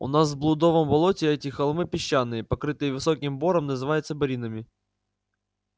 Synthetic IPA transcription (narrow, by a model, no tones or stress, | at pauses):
ʊ̰nasvblˠʊd̪o̞vəmbɐlˠotʲɪɛtʲɪxɐlˠmɨpʲɪɕːanːɨjəpɐkɾɨt̪ɨjvɨsokʲɪmbo̞ɾəmnəzɨvajɪt̪səbɐɾʲinəmʲɪ